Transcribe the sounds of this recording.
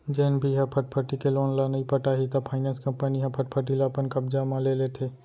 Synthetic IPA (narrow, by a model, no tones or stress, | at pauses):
d͡ʒeːnbʱiɦɛ̃pʰəʈ̚pʰəʈikeloːnlanɐĩpəʈaɦit̪apʰaːɪnɛ̃ːnskɐ̃mpəniɦɛ̃pʰəʈ̚pʰəʈ̬ilaːpənkɐb̚d͡ʒamãlelet̪ʰeː